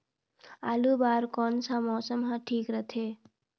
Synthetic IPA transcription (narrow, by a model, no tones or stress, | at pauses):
aːlubaːɾkɔnsãmɔːsəmɦãʈʰiːkɾət̪ʰe